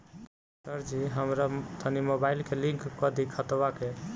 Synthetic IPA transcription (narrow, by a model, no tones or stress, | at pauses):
səɾd͡ʒiɦəmɾat̪ʰənimobailkelĩŋkːəd̪ikʰət̪bake